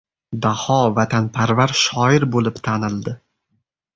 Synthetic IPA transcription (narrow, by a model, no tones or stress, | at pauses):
d̪ahɒvat̪ʰanpʰaɾvaɾʃɒɪɾbolɪpt̪ʰanɪlˠd̪ɪ